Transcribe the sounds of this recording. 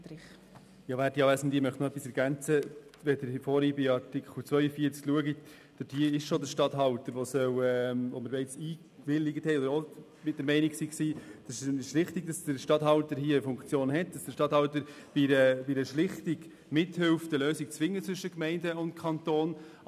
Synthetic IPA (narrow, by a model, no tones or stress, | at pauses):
ɪχ | jɑːʋæːɾdijɑʋæsn̩d̪iəmœχtnoœpːisɛɾɡ̥ænt͡səʋɛdəɾfɔːɾibɪɑɾtɪkχl̩t͡sʋœʏəfiəɾt͡skluəɡit | d̥əd̥iəɪʃʃodəɾʃtɑtɦɑltəɾʋosœwɛmoməɾbɛɪt͡siː | ʋɪlːɪɡətʰhɛɪɔd̪əɾo | mɪt̚d̥əɾmɛɪniksiksiːd̥ɑsʃlɪχtiɡ̚d̥ɑsd̥əɾʃtɑthɑltəɾhiəəfʊŋkt͡sjoːnɦɛtd̥ɑsd̥əɾʃtɑthɑltəɾ | b̥iɾəbidəʃlɪχtɪɡ | mɪthɪlfdəløːsikt͡sʋɪŋːət͡sʋʏʃəkmɛɪndəʊntkʰɑnt̪oːn